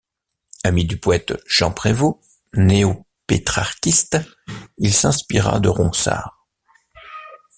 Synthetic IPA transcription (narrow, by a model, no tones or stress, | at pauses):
amid̪ypoɛt̪ʒ̥ɑ̃pχevo | neo | pet̪χaʁkʲist̪ | ilsɛ̃spiʁa̰d̪əʁɔ̰̃sa̰ːʁ